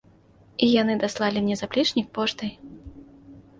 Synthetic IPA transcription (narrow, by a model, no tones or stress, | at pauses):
ijanɨd̪aslˠalʲimnʲɛzaplʲit͡ʂnʲik̚pɔʂt̪ɨj